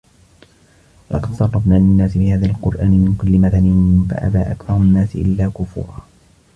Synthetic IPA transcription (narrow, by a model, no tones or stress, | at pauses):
lʔɑ̰qɑd̪sɑrˤːɑbnaːlɪnːaːsɪbɪhaːðaːalqʊɾʔaːnɪmɪnkʊlːɪmaðanɪhɪfa̰ʔa̰ba̰ːʔakθɑɾˤʊnːaːsɪʔɪ̰lːaːkʊfṵːɾˤɑː